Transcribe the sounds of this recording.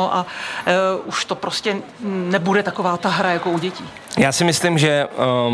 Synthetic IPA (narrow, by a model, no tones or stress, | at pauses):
oʔa | ʔuʃt̪o̞pɾoscɛ | nɛbudɛt̪ako̞vaːt̪aɦɾajako̞uɟɛciː | jaːsɪmɪslimʒɛ